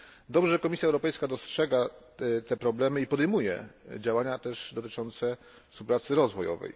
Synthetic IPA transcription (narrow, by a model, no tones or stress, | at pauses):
d̪ɔbʐɛkɔmʲisʲjaɛwɾɔpɛjskad̪ɔstʂɛɡa | t̪ɛpɾɔblɛmɘipɔd̪ɛjmujɛ̰d͡ʑawaɲat̪ɛʐd̪ɔt̪ɘ̥t͡ʂɔnt̪sɛ | fspupɾat̪sɘɾɔzvɔjɔ̰vɛ̰j